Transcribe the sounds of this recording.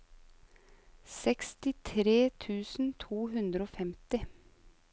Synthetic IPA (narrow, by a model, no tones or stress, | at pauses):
sɛkst̪ɪt̪ʰɾeːt̪ʰʉːsn̩t̪ʰuːɦʉnd̪ɾəoːfɛmt̪ɪ